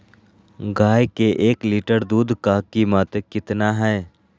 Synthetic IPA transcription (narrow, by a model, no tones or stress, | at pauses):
ɡaːjkeʔeːkliːʈəɾd̪uːd̪ʱkakimat̪əkɪt̪naɦɛː